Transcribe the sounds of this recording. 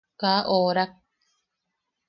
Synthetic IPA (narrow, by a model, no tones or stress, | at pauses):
kːaʔoːɾak̚